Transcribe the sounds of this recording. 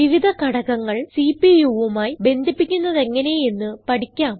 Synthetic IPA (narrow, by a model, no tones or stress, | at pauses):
ʋiʋid̪ʱɐkɐɽɐɣɐŋːɐɭsiːpːijuʋumaːjibe̞nd̪ʱipːikʲːunːɐðe̞ŋːɐne̞jenːɨpɐʈikʲːaːm